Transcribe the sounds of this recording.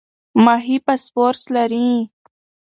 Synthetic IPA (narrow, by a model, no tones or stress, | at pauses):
maɦipaspoɾslaɾĩ